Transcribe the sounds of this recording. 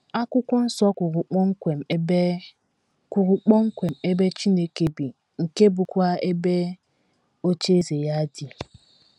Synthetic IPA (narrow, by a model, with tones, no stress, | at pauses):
a˦kʷʊ˦kʷɔ˦n̩˦sɔ˦kʷʊ˨ɾʊ˨k͡pɔ˦ŋ̩˦ke˨m̩˨˦ | kʊ˨ɾʊ˨k͡pɔ˦ŋ̩˦kʷe˨m̩˨e˦be˦t͡ʃi˦ne˨ke˨bi˨ | ŋ̩˨ke˦bʊ˨kʷa˦e˦be˦ | o˦t͡ʃe˦ze˨ja˦dɪ˨